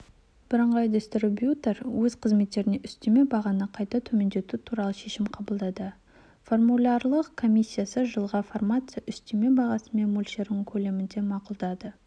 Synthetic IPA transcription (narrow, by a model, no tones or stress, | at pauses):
b̥ɪɾəɴʁɑjd̪est̪robjut̪e̞ɾwɵz̥qʰəzme̞t̪ːe̞ɾɪne̞ʔʏst̪e̞me̞bɑʁɑnəqʰɑjt̪ɑt̪ʰɵme̞nd̪e̞t̪ut̪ʰuɾɑlˠəʃe̞ʃɪmqʰɑbəlˠd̪ɑd̪ə | fo̞rmulʲˠɑrlˠəqkʰo̞mʲisʲːijasəʒəlˠʁɑformat̪sɨjaʔʏst̪eme̞bɑʁɑsəme̞nmulʲʃeɾɪŋkʲʰɵle̞mɪnd̪e̞mɑqulˠd̪ɑd̪ə